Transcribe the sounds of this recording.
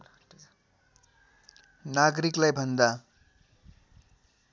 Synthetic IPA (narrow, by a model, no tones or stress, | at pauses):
naɡʌɾiklajbʱʌnd̪a